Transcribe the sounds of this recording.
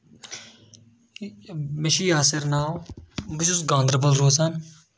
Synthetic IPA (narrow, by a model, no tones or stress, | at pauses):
mɪʃiːaːsɪɾnaːwbɪʃʊsɡãːnd̪ɾəbəlɾoːzan